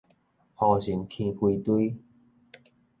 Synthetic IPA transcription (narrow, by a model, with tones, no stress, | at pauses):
hɔ˧˩ɕi˨˦nkʰĩ˧kwi˧t̪wi˦